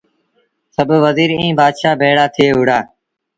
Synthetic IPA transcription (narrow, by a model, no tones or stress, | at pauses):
səbʱʋəziːɾĩːbaːd̪ʃaːbʱeːɽaːt̪ʰɪeːɦʊɽaː